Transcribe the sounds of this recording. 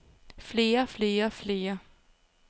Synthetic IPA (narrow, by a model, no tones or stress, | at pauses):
fle̝ːɐfle̝ːɐfle̝ːɐ